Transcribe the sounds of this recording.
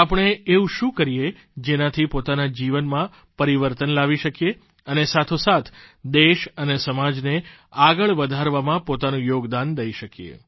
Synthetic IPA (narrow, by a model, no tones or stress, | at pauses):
apəɳ̃eeũʃũkəɾije | d͡ʒenãt̪ʰipot̪anad͡ʒiʋənmã | pəɾiʋəɾt̪ənlaʋiʃəkje | ənesat̪ʰosat̪ʰd̪eʃənesəmad͡ʒne | aɡəɭʋəd̪ʱaɾʋamãpot̪anũjoɡd̪and̪əiʃəkijḛ